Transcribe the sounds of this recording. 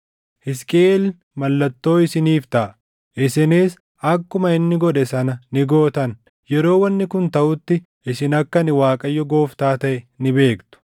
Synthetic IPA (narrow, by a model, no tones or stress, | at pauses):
hɪskʼeːl | mɐlːɐt̪ːo̞ːɪsɪniːft̪ɐʔɐ | ʔɪsɪneːs | ɐkːʊmɐɪnːɪɡɔᶑɛsɐnɐnɪɡo̞ːt̪ɐn | jɛɾo̞ːwɐnːɪkʊnt̪ɐʔʊt̪ːɪ | ɪsɪnɐkːɐnɪwaːkʼɐjːɔɡo̞ːft̪aːt̪ɐʔɛnɪbe̞ːkt̪ʊ̥